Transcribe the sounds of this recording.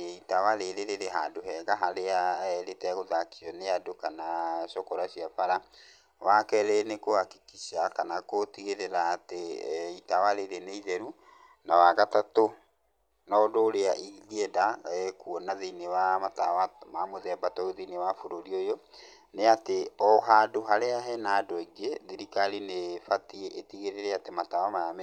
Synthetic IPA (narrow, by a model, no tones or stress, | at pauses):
itawaɾeɾeɾeɾeɦadoɦɛɡaɦaɾeaɾetɛaɣoðakiɔneadokanaɕɔkɔɾaɕiafaɾa | wakɛɾenekohaki̥kiɕakanakotiɣeɾeɾaːteitawaɾeɾeneiðɛɾu | nawaɣatato | nɔdoːɾeaʔiɣɛdaɛkuɔnaðeinewamatawamamoðɛbatɔoðinewafoɾoɾiojo | neateɔɦadoɦaɾeaɦɛnaːdɔiɡeðiɾikalinefatieʔetiɣeɾeɾɛatematawamajamɛ